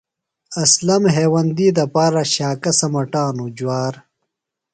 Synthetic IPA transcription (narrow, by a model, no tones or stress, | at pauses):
ɐslɐmɦeːwɐnd̪iːd̪ɐpaːɾɐɕaːkɐsɐmɐʈaːnud͡ʑwaːɾ